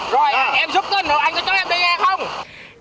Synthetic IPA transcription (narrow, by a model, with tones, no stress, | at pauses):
zo˨˩jʔɛ˧mzu˦˥p̚t̪əː˨˦nəː˨˦wʔa˧jŋ̟kɔ˨˦t͡ɕɔ˦˥a˧˩ɗə˧zaː˧xə˧wŋ͡m